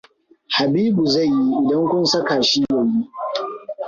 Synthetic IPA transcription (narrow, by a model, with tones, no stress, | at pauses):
ha˨biː˦bu˨za˦˨jːi˦ʔɪ˨dɐ˦ŋkʷʊ˦nsɐ˦ka˨ʃiː˦jɐ˨ji˦